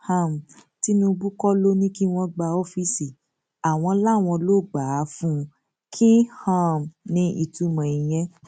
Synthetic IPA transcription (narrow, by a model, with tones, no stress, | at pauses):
hã˦˨m˨ti˦nũ˧˦˧bu˦kɔ˦lo˦nĩ˦ki˦w̃ɔ̃˧ɡ͡ba˧o˦fi˦si˨ | a˨w̃ɔ̃˧˦la˦˨w̃ɔ̃˧lo˦˨ɡ͡ba˨˦fũ˦ | kʰĩ˦hã˦˨m˨nĩ˧ʔi˧˨tu˧˦mɔ̃˨i˨j̃ɛ̃˧